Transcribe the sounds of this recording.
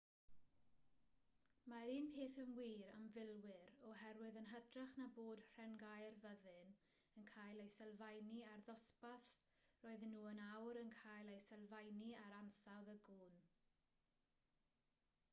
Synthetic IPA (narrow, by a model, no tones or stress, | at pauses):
maɾiːnpʰeːθəmwiːɾa̰mvɪlˠwɪɾɔɦɛrwɪðənɦədraχnaboːd̥r̥ɛnɡajrvəðɨn | ənkʰaːjlˠejsɛlˠvajniarðɔspaθ | roːɨðnːuːənawɾənkʰaːjlˠejsɛlˠvajniaɾansawðəɡuːn